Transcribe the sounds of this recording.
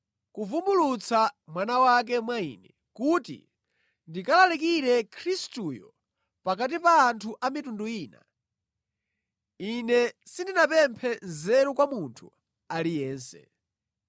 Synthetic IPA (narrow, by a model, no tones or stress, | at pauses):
kuvumbulut͡samwanawak̬ɛmwaḭːnɛ | kutḭ | ndikalalikiɾɛkʰɾistuːjɔ̰ | pakat̬ipaːntʰuʔamitunduiːna̰ | inɛsindinapɛmpʰɛzɛɾɔkwamuntʰṵ | alijɛːnsɛ̰